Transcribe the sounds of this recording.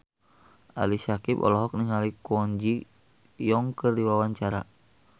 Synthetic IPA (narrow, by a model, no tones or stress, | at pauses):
a̰lisakipɔ̰lɔɦɔk̚niŋalikɔɲd͡ʒi | jɔŋkɨrdiwawaɲt͡ʃaɾa̰